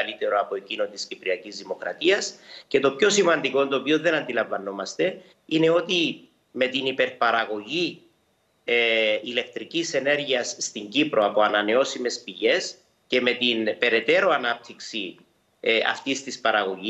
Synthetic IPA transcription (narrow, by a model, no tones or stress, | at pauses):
lit̪e̞ɾoɐpo̞ecino̞nt̪iscipɾiɐcizðimo̞kɾɐ̰t̪iɐsce̞t̪o̞pço̞simɐnd̪iko̞nd̪o̞ːpionðe̞nɐnd̪ilɐɱvɐno̞mɐst̪e̞ | ine̞o̞t̪i | me̞t̪inipe̞ɾpɐɾɐɣo̞ʝi | ile̞k̚t̪ɾicise̞ne̞ɾʝiɐsːt̪iɲɟipɾo̞ɐpo̞ɐnɐne̞o̞sime̞spiʝe̞s | ce̞me̞t̪inpe̞ɾe̞t̪e̞ɾoanap̚t̪ʰiksi | ɐ̰ft̪ist̪ispɐɾɐɣo̞ʝi